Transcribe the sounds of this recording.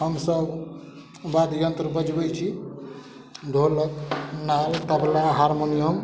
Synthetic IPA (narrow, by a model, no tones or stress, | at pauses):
ɦəmsəb | bad̪ʱjənt̪ɾəbəd͡ʒbɛt͡ʃʰi | d̪ʱoləknalt̪əbʱlaɦaɾmonijəm